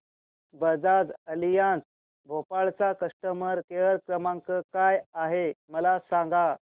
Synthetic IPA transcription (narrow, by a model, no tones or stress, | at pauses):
bəd͡zad͡zəlijãnt͡s | bʱopaɭt͡sakəʂʈəməɾkeəɾkɾəmãŋkəkajaɦeməlasãŋɡa